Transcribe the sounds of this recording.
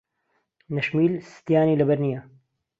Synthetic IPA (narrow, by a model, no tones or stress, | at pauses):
nɐʃmiːlsɨ̥t̪jaːniːlɐbɐɾnijɐ